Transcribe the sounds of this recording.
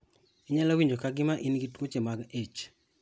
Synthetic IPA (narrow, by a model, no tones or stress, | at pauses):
iɲalawiɲd͡ʒokaɡɪmaʔinɡitwot͡ʃemaɡet͡ʃ